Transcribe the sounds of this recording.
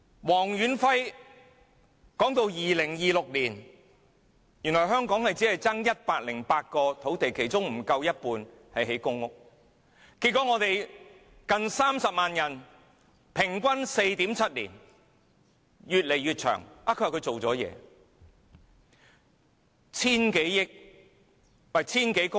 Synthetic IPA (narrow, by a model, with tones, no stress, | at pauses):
wɔː˨˩ŋjyː˨˥nfɐ˥j | kɔː˨˥ŋt̪o˧wjiː˨lɪ˨˩ŋjiː˨˧lʊ˨k̚liː˨˩n | jy˨˩nlɔː˨˩jɦœː˥ŋkɔː˨˥ŋhɐ˨jt͡siː˨˥hɐ˨jt͡sɐ˥ŋjɐ˥t̚paː˧t̚lɪ˨˩ŋpaː˧t̚kɔː˧t̪ʰo˨˥wt̪e˨˩jkʰe˨˩jt͡sʊ˥ŋm̩˨˩kɐ˧wjɐ˥t̚puː˧n | hɐ˨jɦe˨˥jkʊ˥ŋʊ˥k̚ | ki˧tkʷːɔː˨˥ŋɔː˨˧t̪e˨j | kɐ˨nsaː˥msɐ˨p̚maː˨njɐ˨˩n | pʰɪ˨˩ŋkʷɐ˥nse˧jt̪i˨˥mt͡sʰɐ˥t̚lḭː˨˩n | jyː˨t̚le˨˩jɥyː˨t̚t͡ʃʰœ̰ː˨˩ŋʔaː˨kʰɵ˧˥hkʰɵ˧jt͡so˨wt͡sɔː˨˥jɛ̰ː˨˧ | t͡sʰiː˥nke˨˥jjɪ˥k̚ | wɐ˨˩t͡sʰiː˥nke˨˥jkʊ˥